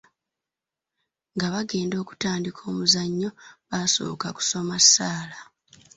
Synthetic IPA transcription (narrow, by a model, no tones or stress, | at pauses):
ŋɡaβaɡe̞ːndo̞ːku̥taːndikʰo̞ːmuzaɲːo̞βaso̞̰ːkaku̥so̞masːaːla